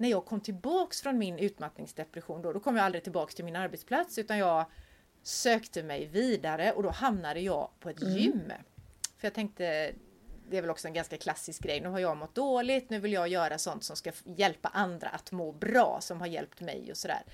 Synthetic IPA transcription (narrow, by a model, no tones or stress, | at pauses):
næɾjɑːɡ̚kʰɔmːt̪ʰɪlbɑːksfɾɔnmɪnʉ̟ːt̪mat̪nɪ̰ŋsd̪ɛpɾɛɧuːnd̪ɔd̪ɔkʰɔmjɑald̪ɾɪt̪ɪlbɑːkst̪ʰɪlmɪnaɾbɛt̪spʰlat̪sʉ̟ːt̪anjɑːɡ | søːkt̪əmɛjviːd̪aɾəʔɔd̪ɔhamnad̪əjɑːɡpʰɔɛt̪jʏmːfœɾjɑːt̪ʰɛŋk̚t̪ə | d̪ɛæɾvɛlɔksɔɛnɡanskakʰlasːɪsk̚ɡɾɛjnʉ̟ːɦaɾjɑːɡmɔt̪̚d̪oːlɪt̪nʉ̟ːvɪljɑɡjœːɾasɔnt̪sɔmskajɛlpa̰ʔand̪ɾa̰ʔat̪moːbɾɑ̰ːsɔmhaɾjɛ̰lpt̪mɛ̰jɔ̰sɔd̪æ̰ːɾ